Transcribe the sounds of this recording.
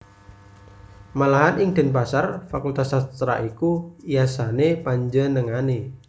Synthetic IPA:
malaɦanɪŋd̪̥ɛ̤np̬asarfakult̪asat̪ɾa̰ʔikuijasanepaɲd͡ʒənəŋane

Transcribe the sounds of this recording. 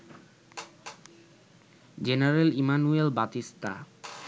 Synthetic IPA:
d͡ʑenaɾelimanuelbat̪ist̪a̰

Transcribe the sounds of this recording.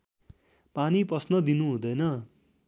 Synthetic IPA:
paniprʌsnʌd̪inuɦũd̪ʌjnʌ

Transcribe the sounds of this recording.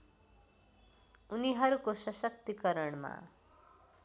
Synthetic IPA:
uniɦʌɾukosʌsʌk̚t̪ikʌɾʌɳma̰

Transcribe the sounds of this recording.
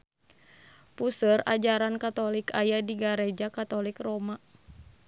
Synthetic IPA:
pusəra̰d͡ʒaɾankat̪ɔlikajadiɡaɾɛd͡ʒakat̪ɔlikrɔma

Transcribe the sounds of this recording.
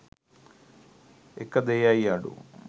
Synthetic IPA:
ekːɐd̪ejaːjaːɽṵ

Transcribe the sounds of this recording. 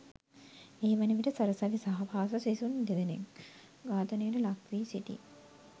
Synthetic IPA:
eːʋɐnəʋiʈəsɐɾəsɐʋisaɦɐpʰaːs̬ɐsesund̪ed̪enḛŋ | ɡaːt̪ənejəʈəlakʋiːsiʈḭ

